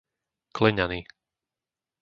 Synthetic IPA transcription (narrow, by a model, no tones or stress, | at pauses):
klɛɲaniː